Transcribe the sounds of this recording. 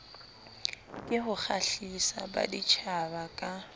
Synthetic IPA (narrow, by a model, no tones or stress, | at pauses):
kʼɪhʊk͡xʰaɬisa̰ba̰dit͡ʃʰabakʼa